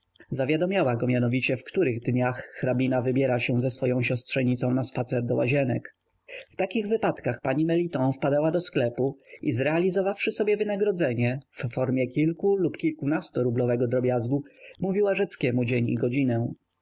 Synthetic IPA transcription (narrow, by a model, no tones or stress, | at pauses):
zavʲjad̪ɔmʲjawaɡɔmjanɔvʲit͡ɕɛfkt̪uɾɘɣd̪ɲaxːɾabʲinavɘbʲjɛɾaɕɛzɛsfɔjɔ̃w̃ɕɔstʂɛɲit̪sɔ̃w̃naspat̪sɛɾd̪ɔwaʑɛnɛk | ft̪akʲiɣvɘpat̪kaxpaɲimɛlʲit̪ɔ̃nfpad̪awad̪ɔsklɛpuizɾɛalʲizɔvafʂɘsɔbʲjɛvɘnaɡɾɔd̪zɛɲɛfːɔɾmʲjɛkʲilkulupkʲilkunast̪ɔɾublɔvɛɡɔd̪ɾɔbʲjazɡumuvʲiwaʐɛt̪skʲɛmud͡ʑeɲḭɡɔd͡ʑinɛ